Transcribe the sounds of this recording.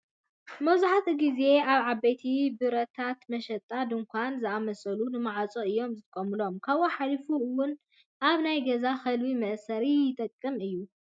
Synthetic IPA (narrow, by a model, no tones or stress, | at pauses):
mɐwzaħat̪ʰɡize̞ʔaβʕabɐjt̪ʰibɨɾɐt̪ʰat̪mɐʃɐt̪ʼːad̪ɨŋkʷʰanzɨamɐsɐlunɨmaʕat͡sʼoɨjːo̞mzɨt̪ʰʼɨkʼɐmɨlo̞mkʰaβoħalifuɨwʊn | ʔaβnajɡɐzaxɐlwimɐʔsɐɾijɪt̪ʼɐkʼːɨmɨjːu